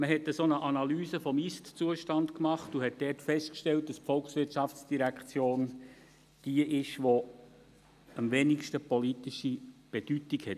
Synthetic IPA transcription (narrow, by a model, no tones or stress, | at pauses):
məɦɛtəsonəʔɑnɑlyːsəfɔmistt͡suəʃtɑntkmɑχtuɦɛt̚d̥ɛːrtfɛʃtkʃtɛlt̚d̥ɑspfɔlksʋɪtt͡ʃɑft͡sd̥iɾækχt͡sjoːn | d̥iəʔɪʃʋo | əmvenikʃtəpɔlitiʃib̥ed̥ytikhɛt